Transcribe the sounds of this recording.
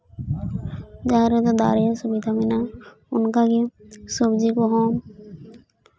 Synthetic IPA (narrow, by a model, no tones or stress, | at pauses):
d͡ʒaɦɾɔd̪ɔd̪a̰ɾijasubid̪ʱamɛna | unkaɡisubd͡ʒikɔɦɔm